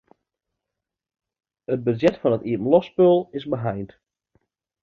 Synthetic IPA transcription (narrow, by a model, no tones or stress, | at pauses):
əd̚bəzɛtfɑnətiəəm̩lɔspølˠɪzbəɦajnt